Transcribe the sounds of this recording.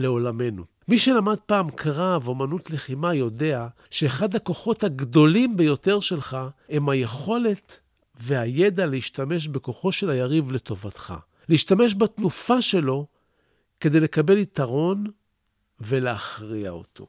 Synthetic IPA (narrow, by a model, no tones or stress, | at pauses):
le̞o̞lame̞nṵ | miʃelamad̚paːmkʁavo̞manutleχimajo̞de̞a | ʃe̞ːχadhako̞χo̞thaɡdo̞limbejo̞te̞ʁʃe̞lχae̞mhaje̞χo̞le̞t | ve̞aje̞daleiʃtame̞ʃ̬be̞ko̞χo̞ʃe̞lhajaʁivle̞to̞vat̪χa̰ | leiʃtame̞ʃ̬batnufaʃe̞lo̞ | ke̞d̪e̞jle̞kabe̞lit̪aʁo̞n | ve̞leaχʁia̰o̞̰tʰo̞̰